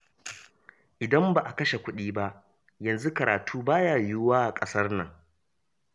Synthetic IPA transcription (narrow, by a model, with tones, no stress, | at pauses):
ʔɪ˨dɐ˦mbaː˨ʔa˨kɐ˦ʃe˨kʷʊ˦ɗiː˦ba˦ʔ | jɐ˨nzu˦kɐ˨ɾʔaː˨tʰuː˦baː˦jaː˨jʊ˦waː˦˨kʼɐ˦sɐ˦rnɐ̰˨ŋ